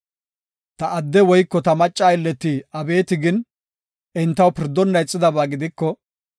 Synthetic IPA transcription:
t̪ɐʔɐd̪ːɛwɔjkːɔt̪ɐmɐt͡ʃʼːaːɪlːɛt̪ːɪɐbe̞ːt̪ɪɡɪn | ʔɪnt̪ːɐwpɪɾd̪ːɔnːɐjt͡sʼːɪd̪ɐbaːɡɪd̪ɪkːɔ

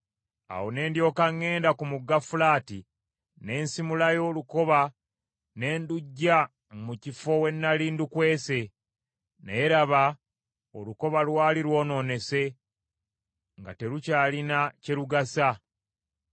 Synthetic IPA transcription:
a̰wone̞ːndjo̞ːkaŋːe̞ːndakumuɡafulaːti | ne̞ːnsimulajo̞ːluko̞βa | ne̞ːnduɟːa | mucifo̞we̞nːaliːndukwe̞ːse̞ | neeɾaβa | oluko̞βalwaːliɾwo̞ːno̞ːne̞se̞ | ŋɡa̰te̞ɾucaːlinaceɾuɡasa

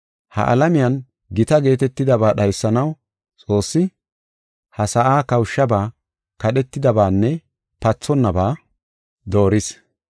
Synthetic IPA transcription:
hɐ̰ʔɐ̰lɐmɪjɐn | ɡɪt̪ɐɡe̞ːt̪ɛt̪ːɪd̪ɐbaːɗɐjsːɐnɐw | t͡sʼo̞ːsːɪ | hɐsɐʔaːkɐwʊʃːɐbaː | kɐɗɛt̪ːɪd̪ɐbaːnːɛ | pɐt͡sːɔnːɐbaː | d̪o̞ːɾɪs

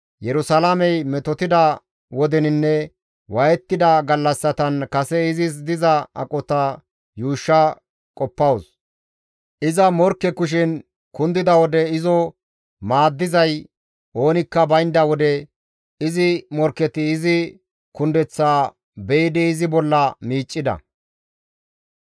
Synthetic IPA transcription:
jɛɾʊsɐlamɛjmɛt̪ɔt̪ɪd̪ɐ | wɔd̪ɛnɪnːɛ | wɐjɛt̪ːɪd̪ɐɡɐlːɐsːɐt̪ɐnkɐsɛɪzɪs̬d̪ɪzɐɐ̰kʼɔt̪ɐ | juːʃːɐ | kʼɔpːɐwʊs | ʔɪzɐmɔɾkːɛkʊʃ̬ɪn | kʊnd̪ɪd̪ɐwɔd̪ɛɪzɔ | maːd̪ːɪzɐj | ʔo̞ːnɪkːɐbɐjnd̪ɐwɔd̪ɛ | ɪzɪmɔɾkːɛt̪ɪːzɪ | kʊnd̪ɛt͡sːaː | bɛjɪd̪ɪːzɪbɔlːɐmiːt͡ʃʼːɪd̪ɐ̰

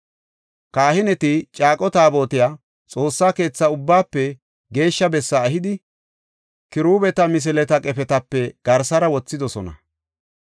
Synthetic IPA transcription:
kaːhɪnɛt̪ɪt͡ʃʼaːkʼɔt̪aːbo̞ːt̪ɪjaː | t͡sʼo̞ːsːaːke̞ːt͡sːɐʊbːaːpːɛ | ɡe̞ːʃːɐbɛsːɐːɦɪd̪ɪ | kɪɾuːbɛt̪ɐmɪs̬ɪlɛt̪ɐkʼɛpɛt̪ɐpːɛɡ̥ɐɾsɐɾɐwɔt͡sːɪd̪ɔsɔnɐ̰

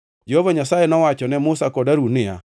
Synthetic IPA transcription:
d͡ʒɛhovaɲasaenɔwat͡ʃɔnɛmʊsakɔdaɾunɪa̰

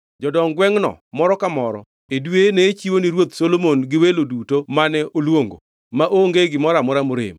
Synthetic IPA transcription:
d͡ʒɔdɔŋɡwɛŋnɔ̰mɔɾɔkamɔɾɔ̰ | edwenet͡ʃiwoniɾwot̪solomonɡɪwelodutomanɛolwoŋɡo̰ | maʔoŋɡeɡɪmɔɾamɔɾamʊɾɪ̰m

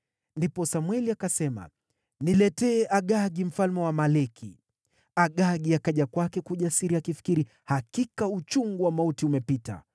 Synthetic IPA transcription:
ndipɔsamwɛliakasɛma̰ | nilɛtɛːʔaɠaɡim̩falmɛwamalɛkʰḭ | aɠaɠiakaʄakwakɛkuʄasiɾiakifi̥kiɾi | hakikaut͡ʃuŋɡuwamautiumɛpita̰

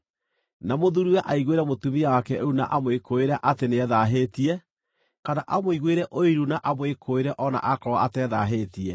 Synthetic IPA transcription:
namoðuɾuɛʔaiɣweɾɛmotumiawakɛouna̰ʔamwekʰoeɾɛʔateneɛðaɦeːtiɛ | kanaʔamoiɣweɾɛʔoiɾunaʔamwekʰoeɾɛʔɔna̰ʔakɔwaatɛðaɦetiɛ

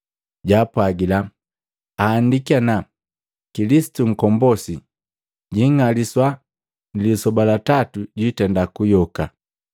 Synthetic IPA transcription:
ɟaːpwaɡila | aːndikiana | kilisi̥tuŋ̩kɔmbɔsi | ɟiŋaliswa | nilisɔbalatatuɟitɛndakujɔka

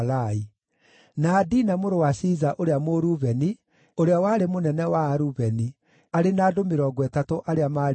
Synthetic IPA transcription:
lai | naːdinamoɾowasizaʔoɾeamoɾuβɛni | oɾeawaːɾemonɛnɛwaːɾuβɛni | aɾenaːdomeɾɔɡwɛtatoʔaɾeama

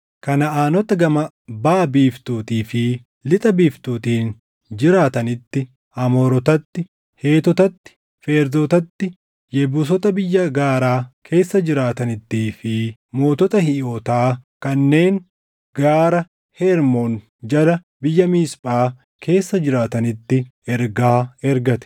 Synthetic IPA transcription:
kɐnɐaːnɔt̪ɐɡɐmɐ | baːbiːft̪uːt̪iːfɪ | lɪt̪ʼɐbiːft̪uːt̪iːn | d͡ʒɪɾaːt̪ɐnɪt̪ːɪ | ɐmoːɾɔt̪ɐt̪ːɪ | he̞ːt̪ɔt̪ɐt̪ːɪ̥ | feːɾd̪oːt̪ɐt̪ːɪ | jɛbuːs̬ɔt̪ɐbɪjːɐɡaːɾaːkʰe̞ːsːɐd͡ʒɪɾaːt̪ɐnɪt̪ːiːfɪmo̞ːt̪ɔt̪ɐhɪoːt̪aːkɐnːe̞ːŋ | ɡ̥aːɾɐ | heːɾmon | d͡ʒɐlɐ | bɪjːɐmiːspʼaː | kʰe̞ːsːɐd͡ʒɪɾaːt̪ɐnɪt̪ːɪɛɾɡaːɛɾɡɐt̪ɛ̥

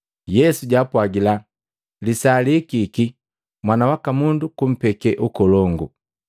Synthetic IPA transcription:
jɛsuɟapwaɡila | lisalikiki | mwanawakamundukum̩pɛkɛʔukɔlɔŋɡu

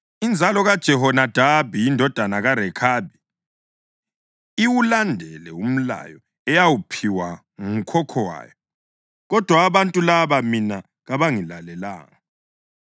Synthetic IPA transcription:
ind͡zʱalɔɣad̥ʒ̥ʱɛɦɔnad̥ʱabʱiːndʱɔd̥ʱanaɣaɾɛkʰaːbʱi | iwulandʱɛlɛum̩la̰jɔ | ɛjawupʰiwa | ŋum̩kʰɔkʰɔwa̰ːjɔ | ɣɔd̥ʱwaːβantʼulaβamina | ɣaβaŋilalɛla̰ːŋa

